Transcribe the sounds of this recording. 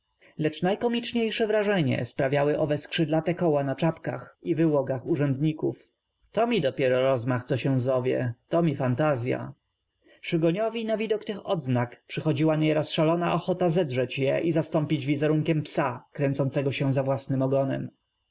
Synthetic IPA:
lɛt͡ʂnajkɔmʲit͡ʂɲejʂɛvɾaʐɛɲɛ̰spɾavʲjawɘʔɔvɛskʂɘd̪lat̪ɛkɔwanat͡ʂapka̰xivɘwɔɡaxuʐɛnd̪ɲikuf | t̪ɔmʲid̪ɔpʲjɛɾɔɾɔzmaxt̪sɔɕɛ̃zɔvʲjɛ̰t̪ɔmʲifant̪azʲja̰ | ʂɘɡɔɲɔvʲinavʲid̪ɔkt̪ɘxɔd̪znakpʂɘxɔd͡ʑiwaɲɛɾɔsʂalɔnaʔɔxɔt̪azɛd̪ʐɛt͡ɕjɛ̰ʔizast̪ɔmpʲid͡ʑvʲizɛɾuŋkʲɛmpsakɾɛnt̪sɔnt̪sɛɡɔɕɛ̃zavwasnɘmɔɡɔnɛ̰m

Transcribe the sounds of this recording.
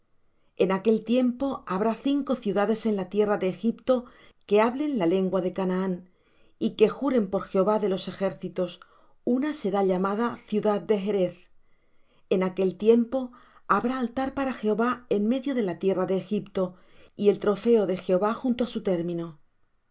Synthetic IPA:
e̞nake̞lt̪je̞mpo̞aβ̞ɾaθiŋko̞θjuðaðe̞se̞nlat̪je̞raðe̞ːxipt̪o̞ | ke̞aβle̞nlale̞ŋɡwaðe̞kanaan | ike̞xuɾe̞mpo̞ɾxe̞o̞βaðe̞lo̞se̞xe̞ɾθit̪o̞s | unase̞ɾaʎamaðaθjuðaðd̪e̞ɦeɾe̞θ | e̞nake̞lt̪je̞mpo̞ | aβɾaːlt̪aɾpaɾaxe̞o̞βaenme̞ðjo̞ðe̞lat̪je̞raðe̞ːxipt̪o̞ | ie̞lt̪ɾo̞fe̞o̞ðe̞xe̞o̞βaxunt̪oasut̪e̞ɾmĩno

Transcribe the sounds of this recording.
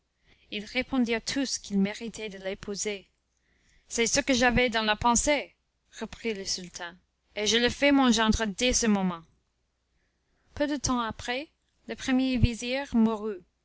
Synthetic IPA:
ilʁepʰɔ̃d̪iʁt̪ʰuskilmeʁit̪ʰɛd̪əlepʰuze | sɛsəkəʒavɛd̪ɑ̃lapɑ̃se | ʁəpχiləsylt̪ʰɛ̃ | eʒələfɛmɔ̃ʒɑ̃d̪ʁəd̪ɛsəmɔmɑ̃ | pød̪ət̪ɑ̃apχɛ | ləpχəmjeviziʁmuʁy

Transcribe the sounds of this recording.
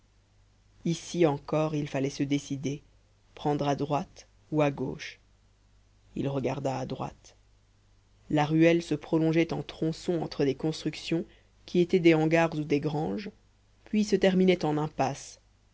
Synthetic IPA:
isiɑ̃kɔʁilfalɛsəd̪esid̪e | pχɑ̃d̪ʁad̪ʁwat̪ | uaɡo̰ːʃ | ilʁəɡaʁd̪aːd̪ʁwa̰t̪ | laʁyɛlsəpχɔlɔ̃ʒɛt̪ɑ̃t̪χɔ̃sɔ̃ɑ̃t̪χəlekɔ̃st̪χyksjɔ̃ | kʲʰiet̪ɛd̪ɛɑ̃ɡaʁzud̪eɡʁɑ̃ʒ | pɥisət̪ɛʁminɛt̪ɑ̃nɛ̃pas

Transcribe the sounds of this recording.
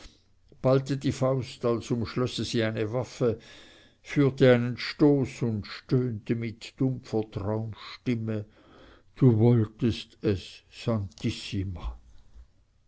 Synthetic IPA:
b̥altədiːfaʊstalsʊmʃlɔsəziːaɪnəvafə | fyːɐtəaɪnənʃtoːsʊndʃtøːntəmɪtd̥ʊmfɐtʁ̥aʊmʃtɪmə | d̥uːvɔltəstɛsːantʰisima

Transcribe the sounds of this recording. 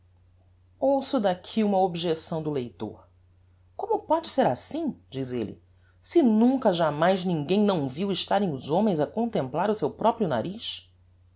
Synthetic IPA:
owsʊd̪akʰiũmɐobiʒesɐ̃w̃d̪ʊlejt̪o̰ɾ | kõmʊpɔd͡ʒɪseɾasĩd͡ʒizḛlɪ̰ | sɪnũŋkɐʒamajznĩŋɡẽj̃nɐ̃w̃viwɪʃt̪aɾẽj̃ʊzõmẽj̃zɐkõnt̪ẽmplaɾʊsewpɾɔpɾjʊna̰ɾiʃ

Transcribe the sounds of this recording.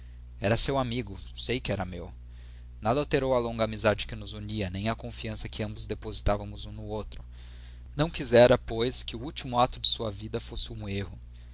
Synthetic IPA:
ɛɾɐsewamiɡʊsejkɪɛɾɐmew | nad̪awt̪eɾowɐlõŋɡɐamizad͡ʒɪkɪnʊzuɲiɐnẽj̃ɐkõfiɐ̃sɐkɪɐ̃mbʊzd̪epozit̪avɐmʊzũnʊowt̪ɾʊ | nɐ̃w̃kizɛɾɐpojskɪʊuwt͡ʃimʊat̪ʊd͡ʒɪsuɐvid̪ɐfosɪũehʊ

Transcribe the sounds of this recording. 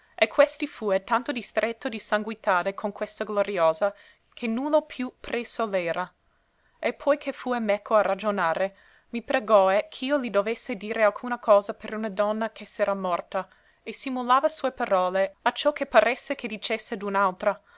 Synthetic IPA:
ʔekʰwest̪ifuet̪ant̪od̪ist̪ɾʔet̪ːod̪isaŋɡwit̪aːɾekʰoŋkwest̪aɡloɾioːza | kʰenulopʰjupresolɛːɾʔa | epʰːɔjkʰefuːemɛkʰːoarad͡ʒonaːɾe | mipɾeɡɔekʰiːolid̪ovesːed̪iːɾealkʰuːnakʰɔːzapeɾunad̪ɔnːakʰesɛːɾamɔrt̪a | esimulaːvasuːepaɾɔːleat͡ʃɔkʰːepːaɾʔesːekʰed̪it͡ʃesːed̪unalt̪ɾa

